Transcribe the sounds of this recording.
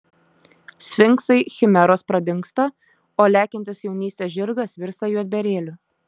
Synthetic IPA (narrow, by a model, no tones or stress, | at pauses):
sʲʋʲɪŋksɐɪxʲɪmʲɛɾoːspɾɐd̪ʲɪŋkst̪ɐ | oːlʲæːkʲɛnʲt̪ʲɪsjɛʊnʲiːsʲt̪ʲeːsʒʲɪɾɡɐsʋʲɪɾsɐjuɔt̪ʲbʲɛɾʲeːlʲʊ